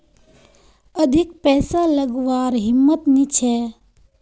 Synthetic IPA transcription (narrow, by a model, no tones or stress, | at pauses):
əd̪ʱikpɛːsaləɡʋaːɾɦɪmːət̪nit͡ʃʰɛ